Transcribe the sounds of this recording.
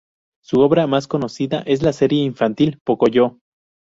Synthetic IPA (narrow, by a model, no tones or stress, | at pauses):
suo̞βɾamasko̞no̞siða̰ʔe̞s̬lase̞ɾjeiɱfant̪ilpokoʝo